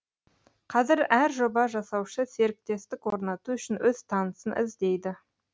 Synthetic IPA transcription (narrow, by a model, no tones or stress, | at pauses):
qʰɑzɪɾæɾʒobɑʒɑsɑwʃəse̞ɾɪk̚t̪e̞st̪ɪkwo̞ɾnɑt̪uʏʃɪnwɵz̥t̪ʰɑnəsənʔɪ̰zd̪e̞jd̪ɪ